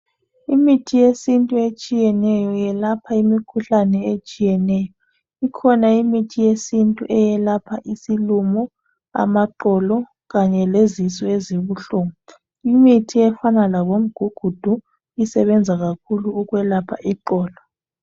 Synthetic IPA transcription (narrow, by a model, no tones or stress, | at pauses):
imitʰijesintʼuet͡ʃʼijɛnɛjɔjɛlapʰaimikʰuɬanɛet͡ʃʼijɛnɛjɔ | ikʰɔnaimitʰijesintʼṵʔɛjɛlapʰaʔisilumɔ | a̰maǃɔlɔ | ɣaɲɛlezisɔeziβuɬuŋu | imitʰiɛfanalaβom̩ɡ̥ʱuɡ̥ʱud̥ʱu | isɛβɛnd͡zʱaɣakʰuluːɣwɛlapʰa̰ʔiǃɔːlɔ